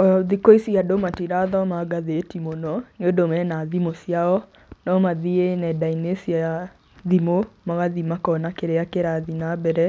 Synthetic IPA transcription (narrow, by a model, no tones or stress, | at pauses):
ɔðikoisiadomatiɾaðɔmaɡaðetimonɔnodomɛnaðimosijaɔ | nɔmaðienɛdainesiaa | ðimomaɣaðimakɔnakeɾeakeɾaðinabɛɾɛ